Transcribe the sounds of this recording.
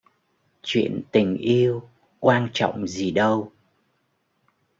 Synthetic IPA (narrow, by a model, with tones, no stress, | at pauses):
t͡ɕwḭ˧˨ənt̪ï˨˩ŋ̟ʔi˧əw | kwaː˧nt͡ɕɔ̰˧˨wŋ͡mzi˨˩ɗə˧w